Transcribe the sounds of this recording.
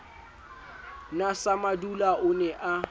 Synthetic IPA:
nasamadulaʊnɛʔa

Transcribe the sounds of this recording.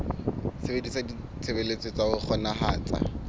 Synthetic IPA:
sɪbedisadi | t͡sʰebelet͡sʼɪt͡saʊk͡xʰɔnaɦaːt͡sa̰

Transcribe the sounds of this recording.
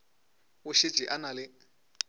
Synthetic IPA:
ʊʃi̥ʒ̥ʱiʔanalɪ

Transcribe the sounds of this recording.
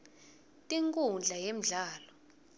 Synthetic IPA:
tʼiŋkʼund͡ɮʱajem̩ɮaːlɔ

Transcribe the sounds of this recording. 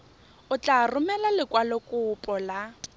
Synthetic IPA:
ʊt͡ɬʼarʊmɛlalɪkwalɔkʼʊpʼɔla

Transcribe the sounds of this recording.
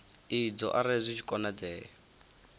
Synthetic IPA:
id͡zɔ̰ʔaɾezʷiʃʰi̥kʼɔnad͡zɛːɔ

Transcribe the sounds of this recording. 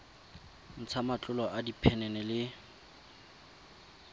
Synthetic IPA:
n̩t͡sʰamat͡ɬʼʊlɔʔadipʰɛnɛnɛlɪ

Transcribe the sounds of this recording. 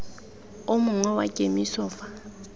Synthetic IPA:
omuŋwɛwa̰cʼemisɔːfa

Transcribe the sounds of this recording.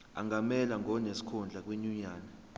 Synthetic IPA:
a̰ŋamɛlaŋʱɔnesi̥kʰund͡ɮʱak̬ʼwiɲuɲaːna

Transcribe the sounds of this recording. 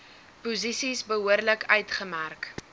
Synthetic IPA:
puzisisbəɦuərləkœɥtχəmærk

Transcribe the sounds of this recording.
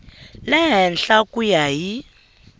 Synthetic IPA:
lɛɦɛnɬakujaji

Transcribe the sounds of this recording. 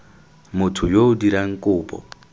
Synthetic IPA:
mʊtʰʊjoʊdiɾaŋ̩kʼʊːpʼɔ̰

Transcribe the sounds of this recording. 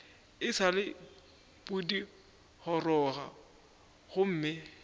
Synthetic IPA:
ɪsalɪ | b̥udi | hɔrɔɣa | ɣʊm̩ːmɪ

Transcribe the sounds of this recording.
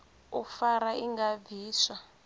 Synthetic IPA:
ufaɾaiŋɡaviːsa

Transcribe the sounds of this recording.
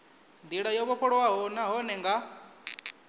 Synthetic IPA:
nd̪iɺajɔβɔɸʰɔɺwaɦɔnaɦɔnɛŋɡa

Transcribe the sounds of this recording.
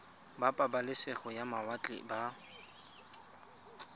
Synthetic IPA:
bapʼabalɪseχɔjamawat͡ɬʼɪ̰ba

